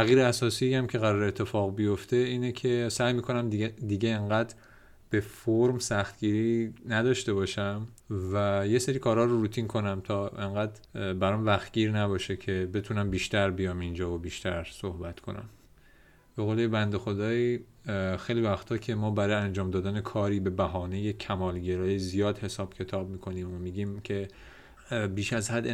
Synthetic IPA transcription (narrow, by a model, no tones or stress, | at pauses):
æɣiːɾeæsɒːsiːjæmcʰe̞ɣæɾɒːɾeːt̪ʰːe̞fɒːɣbijo̞ft̪ʰe̞iːnecʰe̞sæjmiːkʰo̞næmd̪iːɟe̞ːŋɢæd̪ɾ | b̥e̞foɾmsæxt̪ɟ̥iːɾiːnæd̪ɒːʃt̪e̞βɒːʃæm | væje̞seɾiːkʰɒːɾhɒːɾoɾuːt̪ʰinkʰo̞næmt̪ʰɒːe̞ŋɡæd̪bæɾɒmvæxt̪̚ɡ̥iːɾnæβɒːʃecʰe̞be̞t̪ʰunæmbiːʃt̪æɾbijɒːmind͡ʒɒːvobiːʃt̪ʰæɾso̞hbæt̪kʰo̞̰næ̰m | b̥e̞ɣolebænd̪exo̞d̪ɒːi | xejliːvæxt̪ʰɒːcʰe̞mɒːbæɾɒːjeænd͡ʒɒːmd̪ɒːd̪ænekʰɒːɾiːbe̞bæɦɒːne̞jecʰæmɒːlɟe̞ɾɒːjezijɒːd̪he̞sɒːb̥cʰe̞t̪ʰɒːb̚miːkʰo̞niːmomiːɟiːmcʰe̞ | biːʃæzhæd̪